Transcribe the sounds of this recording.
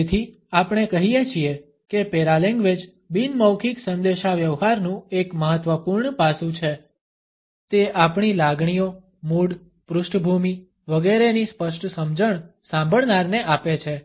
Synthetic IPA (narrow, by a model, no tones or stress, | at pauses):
et̪ʰi | apɳ̃ekəɦijet͡ʃʰie | kepeɾaleŋɡʋed͡ʒ | binməwkʰiksənd̪eʃaʋjəʋɦaɾnũekməɦət̪ʋəpuɾɳpasũt͡ʃʰe | t̪eʔapɳilaɡɳijo | muɽ | pɾʊsʈbʱumi | ʋəɡeɾenispəʃʈsəmd͡ʒəɳ̃sãmbʱəɭnaɾneʔapet͡ʃʰe